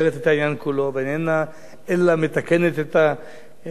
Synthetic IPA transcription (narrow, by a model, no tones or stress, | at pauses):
ɣet̪et̪ainaŋkuloβenena | elamet̪akenet̪et̪a